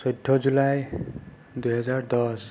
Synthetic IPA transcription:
sɔjdʱːɔzulaj | dujɦɛzaɹd̪ɔs

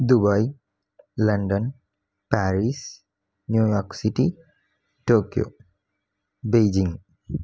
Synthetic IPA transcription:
d̪ubaj | lanɖɔn | paɹis | njujɔksiti | tokijo̰ | bejd͡ʒiŋ

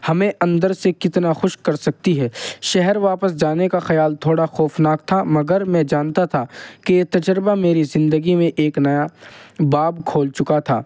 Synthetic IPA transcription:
hɐmẽʔɐ̃nd̪əɾsekɪt̪naxʊʃkɐɾsɐk̚t̪iɦɛːʃɛɦɛɾʋaːpəs̬d͡ʒaːnekaxɐjaːlt̪ʰoːɽaxɔːfnaːk̚t̪ʰamɐɡəɾmɛ̃ːd͡ʒaːnt̪at̪ʰakeet̪ɐd͡ʒəɾbameːɾizɪ̃nd̪əɡimẽʔeːknɐjabaːbkʰoːlt͡ʃʊkat̪ʰaː

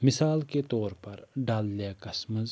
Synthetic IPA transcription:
mɪsaːlket̪ɔːɾpɐɾɖaːlːjakɐsməz

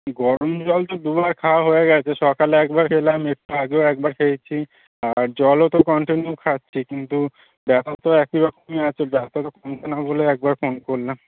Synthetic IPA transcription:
ɡɔɾomd͡ʑɔlt̪od̪ubaɾkʰawɦoeɡɛt͡ɕʰeʃɔkaleɛkbaɾkʰelamek̚ʈuaɡeoɛk̚baɾkʰejt͡ɕʰi | aɾd͡ʑɔlot̪okɔɳʈinjukʰatːɕʰikint̪u | bɛt̪at̪oɛkibakomiat͡ɕʰebɛt̪at̪okɔmt̪ʰenaboleɛk̚baɾfonkoɾlam

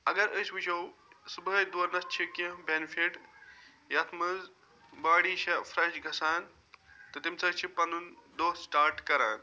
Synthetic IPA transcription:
ɐɡɐɾəːsʋit͡ʃʰɐwsubɦɐd̪uɐɾnɐst͡ʃʰikĩbenfʰiʈ | jɐt̪ʰmɐz | baːɽiːʃɐfʰɾɐt͡ʃɡʱɐsaːn | t̪ɨt̪imsɐɾt͡ʃʰipɐnund̪oːsʈaːɾʈkɐɾaːn

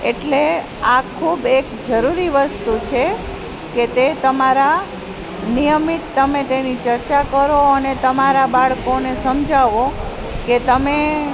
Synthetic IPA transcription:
eʈle | akʰubekd͡ʒəɾuɾiʋəst̪ut͡ʃʰe | ket̪et̪əmaɾa | nijəmit̪ːəmet̪enit͡ʃəɾt͡ʃakəɾoənet̪əmaɾabaɭkonesəmd͡ʒʱaʋo | ket̪əme

